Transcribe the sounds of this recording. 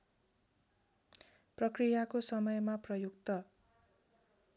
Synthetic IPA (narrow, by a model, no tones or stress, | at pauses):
prʌkrijakosʌmʌjmaprʌjukt̪ʌ